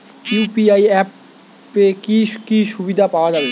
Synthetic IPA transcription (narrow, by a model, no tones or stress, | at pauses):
jupiaiɛpː | ekikiʃubid̪ʱapaad͡ʑabe